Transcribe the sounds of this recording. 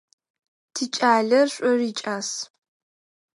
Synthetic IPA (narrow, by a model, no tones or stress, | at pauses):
tʰit͡ʃʼaːɮɐrɕʷʼɔriːt͡ʃʼaːs